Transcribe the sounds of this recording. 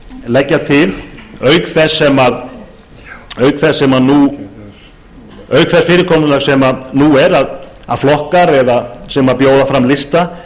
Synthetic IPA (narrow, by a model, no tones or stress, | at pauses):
lɛcːat̪ʰɪlœːɥkθɛsːɛmað | œːɥkθɛsːɛmanu | œːɥkθɛsfɪːɾɪɾkʰɔːmnʏlaɣsɛmaðnuɛɾað | a̰ðflɔhkaɾɛðasɛmapjoːwðafɾamlɪst̪a